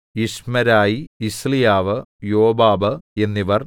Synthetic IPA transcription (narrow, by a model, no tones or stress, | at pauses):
iʂmɐɾaːjiːslijaːʋɨjoːbaːbɨe̞nːiʋɐr